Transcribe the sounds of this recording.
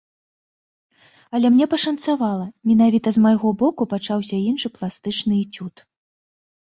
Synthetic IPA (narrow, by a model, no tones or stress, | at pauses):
ɐlʲɛmnʲɛpɐʂɐnt̪savalˠɐmʲin̪avʲit̪ɐzmajɣɔbɔkupat͡ʂawsʲɐinʂɨplˠast̪ɨt͡ʂnɨit͡sʲut̪